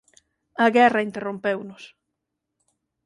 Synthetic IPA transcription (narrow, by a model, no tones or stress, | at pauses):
ɐɣɛrɐint̪erompewnʊs